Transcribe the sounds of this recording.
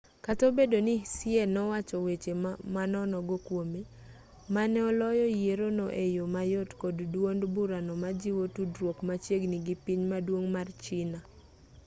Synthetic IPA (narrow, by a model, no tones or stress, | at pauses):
katobedonisienɔwat͡ʃɔwet͡ʃemanɔnɔɡokwome | manɛɔlɔjɔjeɾonoʔejomajotkɔddwondbuɾanɔmad͡ʒiwotudɾwokmat͡ʃjeɡniɡipiɲmadwoŋmart͡ʃɪna